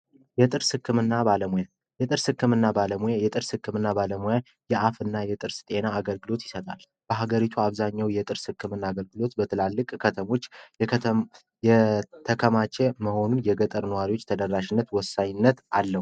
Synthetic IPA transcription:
jɛt̪ʼɨɾsɨkːɨmɨnːabaləmuja | jɛt̪ʼɨɾsɨkːɨmɨnːabaləmujajɛt̪ʼɨɾsɨkːɨmɨnːabaləmuja | jɛʔafɨnːajɛt̪ʼɨɾst̪ʼe̞naːɡəlɡɨlo̞t̪jɪsət̪ʼa̰l | b̥əɦaɡəɾit̪ʰuaβzaɲːawjɛt̪ʼɨɾsɨkːɨmɨnːaːɡəlɡɨlo̞t̪bət̪ʰɨlalːɨkʼkʰət̪ʰəmo̞t͡ʃː | jɛt̪ʰəkʰəmat͡ʃeməho̞nunjɛɡət̪ʼəɾnəwaɾiwo̞t͡ʃːt̪ʰəd̪ərːaʃɪnːət̪wɔsːaɲɪnːət̪ʔalːəw

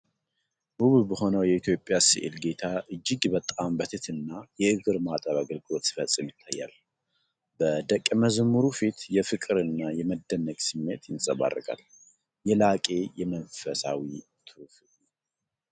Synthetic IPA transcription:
buβbəho̞nəwjɛit̪ʰjo̞pʼjasiʔɨ̰lɡe̞t̪ʰaʔɨd͡ʒːɪɡbət̪ʼambət̪ʰɨt̪ʰɨnːajɛɨɡɨɾmat̪ʼəβaɡəlɡɨlo̞t̪sɪ̥fəsʼɨmjɪt̪ʰːajːa̰l | bəd̪əkʼːməzmːuɾufit̪jɛfɨkʼɨɾɨnːajɛməd̪ənːəɡsɨmːe̞t̪jɪnsʼəβa̰rːəkʼa̰l | jɛlakʼe̞jɛmənfəsa̰wi | t̪ʰɨf

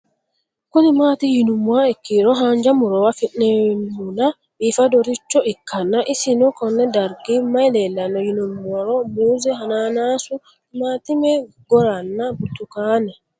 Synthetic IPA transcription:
konimaːtijinumwaɛkːiɾɔɦaɲd͡ʒamuɾɔwafinɛmuna | ɓifadɔɾit͡ʃːɔikːanːaʔisinɔkɔnːɛdaɾɡimajlɛlːanɔjinumaɾɔmuːzɛɦananasu | matimɛ | ɡɔɾanːabutukana

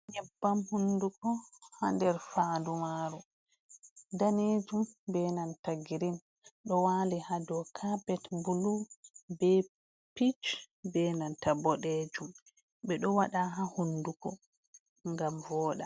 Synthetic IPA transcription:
ɲɛbːamhundukɔhandɛɾfaːdumaɾu | daned͡ʒumbɛnantaɡiɾim | ɗɔwaːlihadɔkʰabɛtbulubɛ | pit͡ʃ | bɛnantabɔɗed͡ʒum | ɓɛɗɔwaɗaɦahundukɔ | ŋɡamvɔːɗa

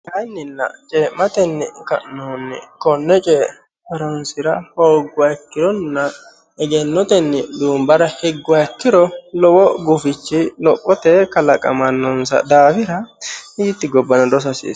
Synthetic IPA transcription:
kɐjnːɪnːɐ̰t͡ʃʼɛːmɐt̪ɛnːɪkɐ̰ʔnɔnːɪ̰kɔnːɛt͡ʃʼɛ | pɐɾɔnsɪɾɐhoːɡʊwɐjkːɪɾɔnːɐ | ɛɡɛnːɔt̪ɛnːɪd̪uːmbɐɾɐhɛɡːʊwɐjkːɪɾɔlɔwɔɡʊfɪt͡ʃːɪlɔpʼːɔt̪ɛkɐlɐkʼɐ̰mɐnːɔnsɐ̰d̪aːfɪɾɐiːt̪ːɪɡɔbːɐnɐd̪ɔs̬ɐsḭːs

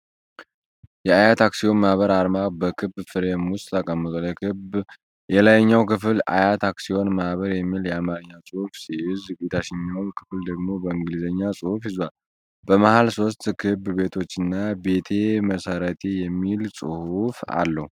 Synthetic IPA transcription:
jɛajat̪ʰaksio̞nmahβəɾaɾmabəkʰɨbfɨɾemust̪t̪ʰəkʼəmːɨt̪ʼaljɛkɨ | jɛlajɲːawkʰɨfɨla̰jat̪ʰaksio̞nmahβəɾjɛmːiljɛamaɾɨɲːawsʼɨhufsiɪzbet̪ʰaʃɪɲːawnkʰɨ̥fld̪əɡmo̞bəɨŋɡɨlizəɲːasʼɨhufhɪzal | bəmahalso̞st̪kʰɨbbe̞t̪ʰo̞t͡ʃːɨnːabe̞t̪ʰe̞məsəɾət̪ʰejɛmːilsʼɨ̰hufa̰lːəhu

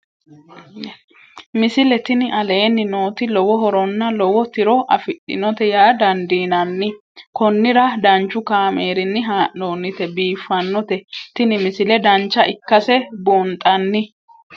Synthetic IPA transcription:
mɪsɪlɛt̪ɪnɪɐle̞ːnːɪno̞ːt̪ɪlɔwɔɦɔɾɔnːɐlɔwɔt̪ɪɾɔʔɐ̰fɪɗɪ̰nɔt̪ɛjaːd̪ɐnd̪iːnɐnːɪ | kɔnːɪɾɐd̪ɐnt͡ʃːʊkaːmeːɾɪnːɪɦaːnoːnːɪt̪ɛbiːfːɐnːɔt̪ɛt̪ɪnɪmɪsɪlɛd̪ɐnt͡ʃːɐʔɪkːɐsɛbont̪ʼɐnːɪ

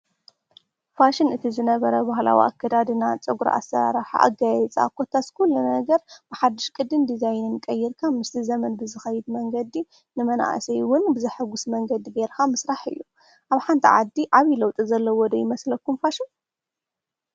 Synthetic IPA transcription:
faʃɪnɨt̪ʰizɨnɐβɐɾɐbahla̰wḭʔa̰kːɐd̪ad̪ɨnat͡sʼɨɡuɾa̰ʔa̰sɐɾa̰ɾaħa̰ʔa̰ɡajɛt͡sʼa̰kʰːot̪ʰaskʰulːɐnɐɡɐɾb̥ɨħad̪ɨʃkʼɨd̪ɨnd̪izajnɨnkʼɐjːɪɾkʰamɨst̪ʰizɐmɐnbɨzɨxɐjɪd̪mɐŋɡɐd̪i | nɨmɐna̰ʔsɐjwʊnbɨzɐħaɡʊsmɐŋɡɐd̪iɡeɾkʰamɨsɾaħɨ̰jːu | ʔaβħant̪ʰiʕad̪ːiʔaβilɐwt̪ʼizɐlːɐwɔd̪ɐjɪmɐslɐkːumfaʃin

